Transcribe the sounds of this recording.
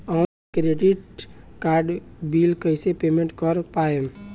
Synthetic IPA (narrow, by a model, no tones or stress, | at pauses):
aː | kɾeːɖɪʈkaːɾɖbiːlkəɪsepeːmẽɳʈkɔɾpaːe